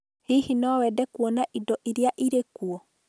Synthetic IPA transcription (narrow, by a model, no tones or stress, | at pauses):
hihinɔwɛdɛkuɔnaʔidɔʔiɾiaʔiɾekuɔ